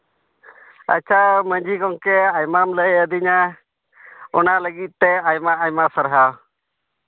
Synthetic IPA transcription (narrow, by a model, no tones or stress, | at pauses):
ə̰t͡ʃʰaməɲd͡ʒʱikɔŋkɛajmamləəd̪iɲa | ɔnaləɡit̪̚t̪ɛajmaajmasəɾɦaw